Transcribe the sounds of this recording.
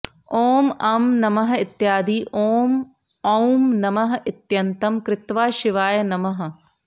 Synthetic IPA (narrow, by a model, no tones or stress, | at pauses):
oːmɐmnɐmɐɦɐ̆it̪jaːd̪iʔoːm | ɐwmnɐmɐɦɐʔit̪jɐnt̪ɐmkɾɪt̪ʋaːʃiʋaːjɐnɐmɐɦɐ̆